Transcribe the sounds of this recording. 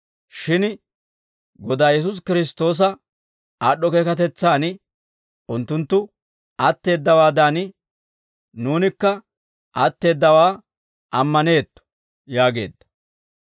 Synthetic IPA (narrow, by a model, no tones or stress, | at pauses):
ʃɪn | ɡɔd̪aːjɛs̬ʊs̬kɪɾɪst̪o̞ːs̬ɐ | aːɗɔkeːkɐt̪̬ɛt͡sːaːnɪ | ʔʊnt̪ːʊnt̪ːʊ | at̪ːe̞ːd̪ːɐwaːd̪aːnɪ | nuːnɪkːɐ | ʔɐt̪ːe̞ːd̪ːɐwaː | ʔɐmːɐne̞ːt̪ːɔ̥ | jaːɡe̞̰ːd̪ːɐ̥